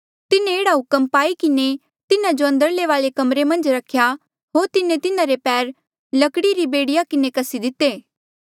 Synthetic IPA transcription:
t̪ɪnẽeːɽaɦʊkəmpaːikɪne | t̪ɪnãd͡ʒoɐ̃nd̪əɾleʋaːlekɐmɾemɐ̃nd͡ʒɾɐkʰːja | ɦoːɾt̪ɪnẽt̪ɪnãɾepɛːɾ | lɐkɽiɾibeːɽɪjakɪnekɐsid̪ɪt̪ːeː

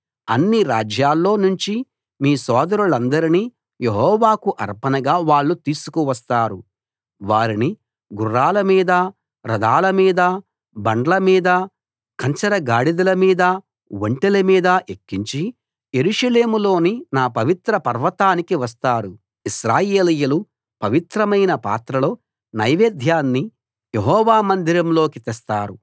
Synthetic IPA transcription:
ɐnːiɾaːd͡ʒjaːlːo̞ːnuɲt͡ʃi | miːsɔːd̪ɐɾuɭɐnd̪ɐɾiniː | jeɦɔːʋaːkuʔɐ̰ɾpɐnɐɡaːʋaːɭːut̪iːsu̥kuʋɐs̬t̪aːɾu | ʋaːɾini | ɡurːaːlɐmiːd̪ɐ | ɾɐd̪aːlɐmiːd̪ɐ | bɐɳɖɐlɐmiːd̪ɐ | kɐɲt͡ʃɐɾɐɡaːɽid̪ɐlɐmiːd̪ɐ | ʋɐɳʈelemiːd̪ɐʔekːiɲt͡ʃi | je̞ɾuʂɐle̞ːmulo̞ːninaːpɐʋit̪ɾɐpɐɾʋɐt̪aːnikiʋɐs̬t̪aːɾu | iʃɾaːjeːlɐjɐlu | pɐʋit̪ɾɐmɐjnɐpa̰ːt̪ɾɐlo̞ː | nɐjʋeːd̪ʱjaːnːi | jeɦɔːʋaːmɐnd̪ʱiɾɐmlo̞ːkit̪ɛst̪aːɾṵ

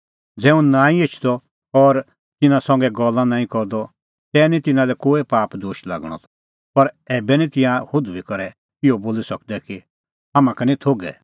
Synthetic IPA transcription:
d͡zɛ̃ːũnãːĩɪt͡ʃʰd̪ɔ | ɔɾ | t̪ɪnãsɐ̃ŋɡɛɡɔlːãnãːĩkɔɾd̪ɔ | t̪ɛːnĩt̪ɪnãlɛkoːepaːpd̪oːʃla̰ɡɽ̃ɔ̰t̪ʰɔ̥ | pɐɾɛːbɛnĩt̪ɪ̃jãhʊd̪ubikɔɾɛ | ɪɔboːlisɐk̚d̪ɛki | ɦɐmãkɛnĩt̪ʰoːɡɛ̰

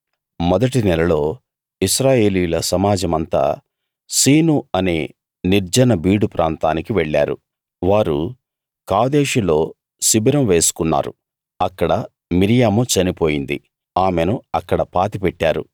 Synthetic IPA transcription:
mɔd̪ɐʈinɛlɐlo̞ː | iʃɾaːje̞ːlijulɐsɐmaːd͡ʒɐmɐnt̪a̰ː | siːnuɐne̞ː | niɾd͡ʒɐnɐbiːɽupɾʔaːnt̪aːnikiʋɛɭːa̰ːɾṵ | ʋaːɾṵ | kaːd̪eːʃulo̞ː | sibiɾɐmʋe̞ːsu̥kunːa̰ːɾṵ | ɐkːɐɽɐ | miɾijaːmut͡ʃɐnipo̞ːjind̪ḭ | aːmenuɐkːɐɽɐpaːt̪ipɛʈːaːɾṵ

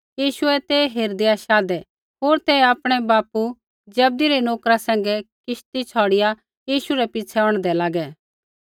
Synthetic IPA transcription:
jiːʃuɛt̪ɛɦeːɾd̪eaʃaːd̪ɛ | ɦoːɾt̪ɛaːpɽ̃ɛbaːpu | d͡ʒɐb̚d̪iɾɛnoːkɾasɛ̃ːŋɡɛkɪʃt̪it͡ʃʰɔːɽɪja | jiːʃuɾɛpɪt͡sʰɛɔ̃ːɽ̃d̪ɛlaːɡɛ

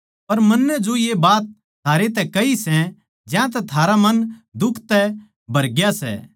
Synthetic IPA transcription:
pɐɾmɐnːɛd͡ʒojebaːt̪̚ | t̪ʰːaːɾet̪̬ɛkɐisɛ̃ | d͡ʒãt̪̬ɛt̪ʰaːɾamɐnd̪ʊkʰt̪ɛ | bʱɐɾɡjasɛ̰ː

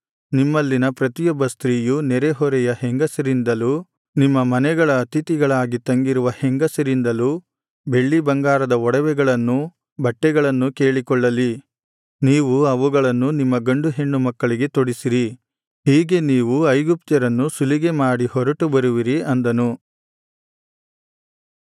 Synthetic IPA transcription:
nimːɐlːinɐpɾɐt̪ijɔbːɐst̪ɾiːjunɛɾɛɦɔɾɛjɐheŋɡɐsɐɾind̪ɐlu | nimːɐmɐnɛɡɐɭɐːt̪it̪iɡɐɭaːɡit̪ɐŋɡiɾuʋɐheŋɡɐsɐɾind̪ɐlu | be̞ɭːibɐŋɡaːɾɐd̪ɐɔɽɐʋɛɡɐɭɐnːu | bʱɐʈːɛɡɐɭɐnːuke̞ːɭikɔɭːɐli | niːʋuɐʋuɡɐɭɐnːunimːɐɡɐɳɖuɦe̞ɳːumɐkːɐɭiɡe̞t̪oɽisiɾi | hiːɡe̞niːʋuɐjɡup̚t̪jɐɾɐnːusuliɡe̞maːɽihɔɾɐʈubɐɾuʋiɾiɐnd̪ɐnu

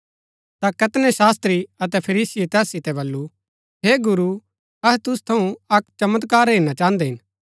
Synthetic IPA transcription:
t̪akɐt̪nɛsaːst̪ɾiɐt̪ɛpʰɐɾiːsɪjet̪ɛːsːɪt̪ɛbɐlːu | ɦeːɡʊɾu | ɐɦt̪ʊst̪ʰɐũɐkt͡ʃɐmət̪kaːɾɦeːnat͡ʃãːnd̪ɛɦɪ̃n

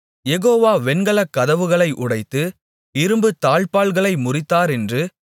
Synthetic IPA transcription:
jɛɣoːʋaːʋɛnɡɐɭɐkːɐðɐʋɯɣɐɭɐɪʔʊɽɐɪt̪ːɯ | ɪɾɯmbɯt̪aːɭpaːɭɣɐɭɐɪmʊrɪt̪ːaːɾɛndrɯ

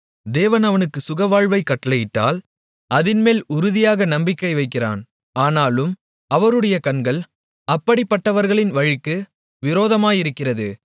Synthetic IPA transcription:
d̪eːʋɐnɐʋɐnɯkːɯsʊɣɐʋaːɻʋɐɪkːɐʈːɐlɐjɪʈːa̰ːl | ʔɐðɪnmeːlʊɾʊðɪjaːɣɐnɐmbɪkːɐɪʋɐɪkːɪra̰ːn | aːnaːlɯm | ɐʋɐɾɯɽɐjɐkɐnɡɐɭ | ɐpːɐɽɪpːɐʈːɐʋɐɾɣɐɭɪnʋɐɻɪkːɯ | ʋɪɾoːðɐmaːjɪɾɯkːɪrɐðɯ

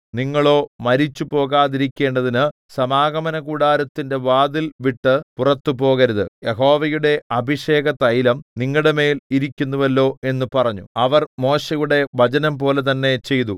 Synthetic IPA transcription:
niŋːɐɭo̞ːmɐɾit͡ɕːupo̞ːɣaːðiɾikʲːe̞ːɳɖɐðinɨ | sɐmaːɡɐmɐnɐkuɽaːɾɐt̪ːinde̞ʋaːd̪ilʋiʈːɨpurɐt̪ːupo̞ːɣɐɾɐðɨ̰jeɦo̞ːʋɐjuɽe̞ɐbʱiʂe̞ːɡɐt̪ɐjlɐmniŋːɐɭɽeme̞ːliɾikʲːunːuʋɐlːo̞ːe̞nːupɐrɐɲːuɐʋɐrmo̞ːɕejuɽe̞ʋɐt͡ɕɐnɐmpo̞ːle̞t̪̬ɐnːe̞t͡ɕe̞jt̪u

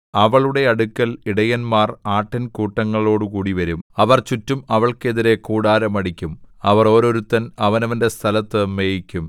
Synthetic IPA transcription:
ɐʋɐɭuɽe̞ɐɽukʲːɐliɽɐjɐnmaːraːʈːɐnkuːʈːɐŋːɐɭo̞ːɽɨkuːɽiʋɐɾumɐʋɐrt͡ɕutːumɐʋɐɭke̞ðiɾe̞kuːɽaːɾɐmɐɽikʲːumɐʋɐro̞ːɾo̞ɾut̪ːɐnɐʋɐnɐʋɐnde̞st̪ʰɐlɐt̪ːɨmeːjikʲːum

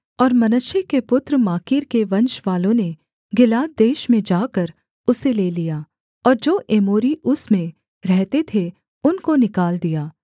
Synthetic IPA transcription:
ɔːɾmɐnəʃjekepʊt̪ɾəmaːkiːɾkeʋɐ̃nʃʋaːlõne | ɡɪlaːd̪̚d̪eːʃmẽd͡ʒaːkɐɾ | ʊseleːlijaː | ɔːɾd͡ʒoːʔeːmoːɾiʔʊsmẽ | ɾɛɦt̪et̪ʰe | ʊnkonɪkaːld̪ijaː

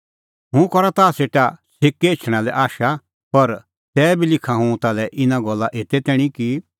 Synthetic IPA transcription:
ɦʊ̃kɔɾat̪aːseːʈasɪkːeːt͡ʃʰɽ̃alɛʔaːʃa | pɐɾ | t̪ɛːbʱilɪkʰãɦũt̪alɛʔɪnãɡɔlːaʔeːt̪ɛt̪ɛːɽ̃ĩki

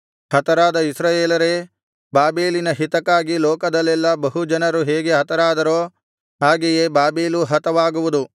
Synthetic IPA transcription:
hɐt̪ɐɾaːd̪ɐisɾaːjeːlɐɾe | baːbeːlinɐɦit̪ɐkaːɡiloːkɐd̪ɐlːɛlːɐbɐɦud͡ʒɐnɐɾuɦeːɡe̞ɦɐt̪ɐɾaːd̪ɐɾoː | ɦaːɡejeːbaːbeːluɦɐt̪ɐʋaːɡuʋud̪u

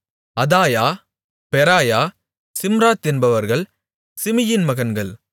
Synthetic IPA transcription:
ɐðaːjaː | pɛɾaːjaː | sɪmɾaːt̪ːɪnbɐʋɐɾɣɐɭ | sɪmɪjɪnmɐɣɐnɡɐɭ

